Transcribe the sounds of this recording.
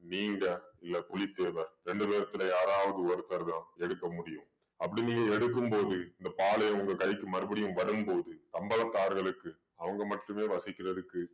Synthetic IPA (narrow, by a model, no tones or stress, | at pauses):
niːŋɡɐɪlːɐpʊlɪt̪ːeːʋɐɾɾɛɳɖɯpeːɾɐt̪ːɪlɐjaːɾaːʋɐðɯʋɔɾɯt̪ːɐɾðãːɛɽɯkːɐmʊɽɪjɯ̃m | ɐpːɐɽɪniːŋɡɐɛɽɯk̬ːɯmpoːðɯɪnd̪ɐpaːlɐjɐ̃ʊŋɡɐkɐɪkːɯmɐɾɯbɐɽɪjɯ̃mʋɐɽɯmpoːðɯt̪ɐmbɐlɐk̪ːaːɾɣɐɭɯkːɯ | ɐʋɐŋɡɐmɐʈːɯmeːʋɐsɪkːɪrɐðɯkːɯ